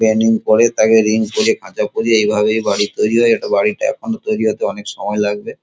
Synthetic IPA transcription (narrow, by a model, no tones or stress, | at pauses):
ɛniŋpɔɾet̪akeɾiŋkoɾiekʰãt͡ɕapoɾieejbʱabeejbaɽit̪ojɾiɦɔeeʈabaɽiʈaɛ̰kʰonot̪ojɾiɦot̪eɔnekʃɔmɔelaɡ̚be